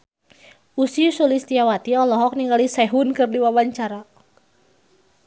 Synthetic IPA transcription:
usiusulist̪iawat̪iɔlɔɦɔk̚niŋɡalisɛɦunkɨrdiwawaɲt͡ʃaɾa

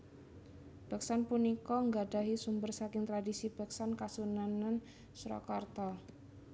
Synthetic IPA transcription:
b̥a̤ksanpunikɔŋɡaɖa̤ɦisumbərsakɪŋt̪ɾadisib̥a̤k̚sankasunanan | sɾɔ̰kɔrt̪ɔ

